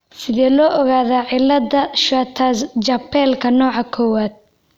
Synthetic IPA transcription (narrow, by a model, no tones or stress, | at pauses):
sɪðɛːlɔːʔɔɣaːðaːʕɪlːɐd̪ɐʃɐt̪ʰaːst͡ʃɐpʰɛːlkʰɐnɔːʕɑkʰɔːwaːd̪̚